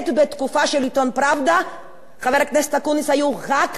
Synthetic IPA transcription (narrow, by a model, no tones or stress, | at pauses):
t̪bet̪kufaʃelit̪onpɾavd̪a | χavɛɾaknɛst̪akunisajuɣak